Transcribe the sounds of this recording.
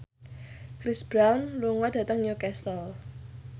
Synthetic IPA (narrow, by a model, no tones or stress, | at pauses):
kɾisb̥ɾanluŋɔd̥ä̤t̪əŋjukɛst̪ɔl